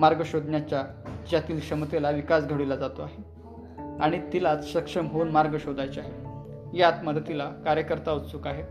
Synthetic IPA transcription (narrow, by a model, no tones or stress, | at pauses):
maɾɡəɕod̪ʱnjat͡ɕjad͡ʑjat̪iːlkʂəmt̪elaʋikasɡʱəɽulad͡zat̪oaɦe | aɽ̃it̪ilat͡s̪ɕəkʂəmɦouːnmaɾɡəɕod̪ʱajt͡ɕaɦe | jat̪məd̪ət̪ilakaɾjəkəɾt̪autt͡suːkaɦe